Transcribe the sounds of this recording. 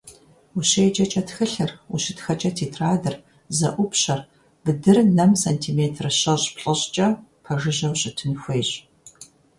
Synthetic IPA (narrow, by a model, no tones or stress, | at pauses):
uɕejt͡ʃʼɐt͡ʃʼɐtxɨɬɨruɕɪtxɐt͡ʃʼɐtʰiːtʰraːdɨr | zɐ̰ʔʷʊpɕɐr | b̥ɨdɨrnɐmsɐntʰiːmeːtʰrɨɕɐɕpɬʼɐɕʼt͡ʃʼɐpʰɐʒɨʑɐwɕʼɪtʰɨnxʷeːjɕʼ